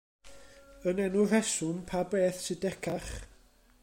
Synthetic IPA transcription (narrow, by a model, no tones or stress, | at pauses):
ənɛnʊr̥ɛsʊmpʰabeːθsʰɪdɛkʰaχ